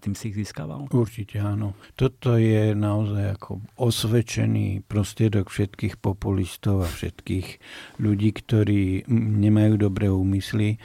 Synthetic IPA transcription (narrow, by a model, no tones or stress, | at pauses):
t̪iːmsiiɣziːska̰ːʋa̰luɾt͡ʃicʰɛaːnɔt̪ɔt̪ɔjɛnaɔzajakʰɔ̰ɔsʋɛt͡ʃɛ̰nḭːpɾɔst̪ɾɪɛd̪ɔkfʃɛt̪kiːxpɔpulist̪ɔʊafʃɛ̰t̪kiːɣʎuɟiːkt̪ɔɾiːɲɛmajuːd̪ɔbɾɛːuːmisli